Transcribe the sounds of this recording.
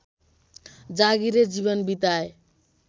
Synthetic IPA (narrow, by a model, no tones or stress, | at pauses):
d͡zaɡiɾed͡zibʌnbit̪ae